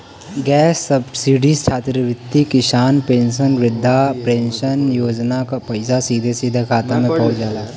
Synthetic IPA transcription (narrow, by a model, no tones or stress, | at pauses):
ɡɛːsːɐbsiːɖist͡ʃʰaːt̪ɾəʋɪt̪ːikɪʃaːnpẽːnʃənʋɪd̪ʱːapɾẽːnʃənjoːd͡ʒnakapɐɪsasiːd̪ʱesiːd̪ʱekʰaːt̪amẽpɐɦʊt͡ʃd͡ʒaːlaː